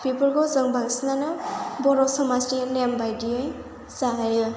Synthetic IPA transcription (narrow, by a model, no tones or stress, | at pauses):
pipɔlɡɔzɯŋbaŋsinanɯbɔɾɔsɔmazdilembajdiɯj | zaɦajɯ